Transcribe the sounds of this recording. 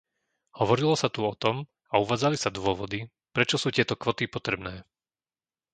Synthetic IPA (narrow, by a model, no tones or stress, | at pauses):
hɔʋɔɾilɔsat̪uɔt̪ɔm | auʋaːd͡zalisad̪ʊɔʋɔd̪i | pɾɛt͡ʃɔsuːt̪ɪɛt̪ɔkʋɔt̪ipɔt̪ɾɛbnɛː